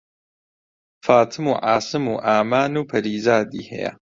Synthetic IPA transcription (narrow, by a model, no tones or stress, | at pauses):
faːt̪ʰɨmuːʕaːsɨmṵːʔaːmaːnuːpʰɐɾiːzaːd̪ḭːhɛ̰jɐ̰